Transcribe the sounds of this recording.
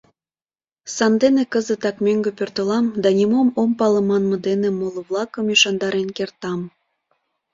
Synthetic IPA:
sɑnd̪enekəzə̆t̪ɑkmʲøŋɡĕpørt̪ə̆lɑmd̪ɑnʲimomompɑlə̆mɑnmɤ̆d̪enĕmolˠɤβlˠɑkəmjyʃɑnd̪ɑɾenkert̪ɑm

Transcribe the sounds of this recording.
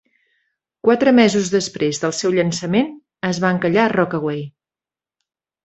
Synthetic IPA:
kwat̪ɾəmɛzuzðəspɾezðəlˠsɛwʎənsəmen | əzβaŋkəʎarɔkəɣwej

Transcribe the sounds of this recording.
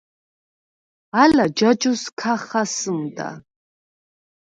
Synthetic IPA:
alad͡ʒat͡ʃʼuskʰaχasɨmda̰

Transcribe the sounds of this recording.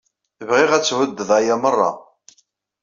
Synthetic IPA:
əvʁɪʁæt͡sːwəd̪ːəðˤæjamərˤːɑ̰

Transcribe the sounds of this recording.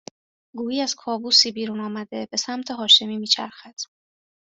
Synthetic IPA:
ɡuːjiːæz̥kʰɒːbuːsiːbiːɾuːnɒːmæd̪e̞be̞sæmt̪ʰeɦɒːʃe̞miːmiːt͡ʃʰæ̰ɾxæd̪̥

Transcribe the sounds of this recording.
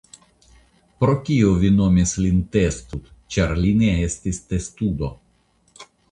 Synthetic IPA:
pɾo̞kʲiovino̞mislint̪est̪ut̪t͡ʃaɾlineest̪ist̪est̪ud̪o̞

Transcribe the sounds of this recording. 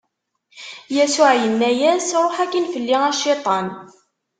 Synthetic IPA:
jæsʊʕjənːæjæsɾˤoħækːinfəlːiŋæʃːit̪ˤɑn

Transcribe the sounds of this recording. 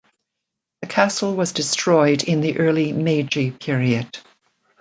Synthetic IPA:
ðɨkʰasl̩ˠwʌzdɪstʰɹ̥ɔɪdɪ̃nðiʔɜ˞lˠimed͡ʒipʰɪɹiɨd̥

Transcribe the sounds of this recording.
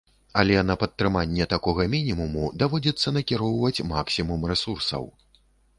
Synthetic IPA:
ɐlʲɛnɐpɐt̪ːɾɨmanʲːɛt̪akɔɣɐmʲinʲimumud̪avɔd͡zʲɛt̪sːɐnɐkʲiɾɔwvɐt͡sʲma̰ksʲimumrɛsursɐ̰w

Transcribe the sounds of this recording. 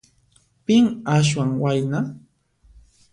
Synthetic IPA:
pɪŋaʃ̬waŋwajna

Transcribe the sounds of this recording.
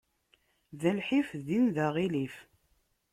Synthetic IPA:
ðælħifðinðæʁilif

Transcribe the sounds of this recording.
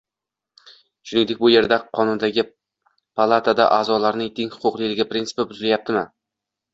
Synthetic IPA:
ʃʊnɪŋd̪ekʲbʊje̞ɾd̪aqʰɒnʊnd̪aɡʲɪ | pʰalˠat̪ʰad̪a̰ʔaːzɒlaɾnɪŋt̪ʰeŋhʊ̥qʊqlˠɪlɪɡʲapɾint̪sɪ̥pɪbʊzɪlajap̚t̪ʰɪmɪ

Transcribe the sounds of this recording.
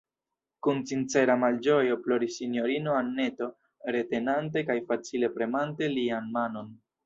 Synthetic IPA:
kunt͡sint͡se̞ɾamald͡ʒo̞jo̞plo̞ɾisːinjo̞ɾino̞anːe̞to̞ | ɾe̞te̞nant̬e̞kajfat͡sile̞pɾe̞mante̞lianmano̞n

